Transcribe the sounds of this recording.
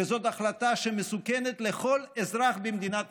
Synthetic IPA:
ezo̞t̪aχlat̪aʃemesukenet̪leχo̞lezɾaχbemd̪inat

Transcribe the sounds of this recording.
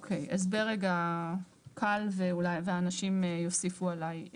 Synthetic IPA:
okʰejʔazbeʁeɡa | kʰalveulajveaːnaʃimjo̞sifualaj

